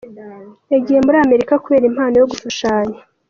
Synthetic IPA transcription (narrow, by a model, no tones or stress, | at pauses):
eɟihe̞muɾaːme̞ɾikakuβe̞ːɾim̥haːnojo̞ɡufaʃaːɲa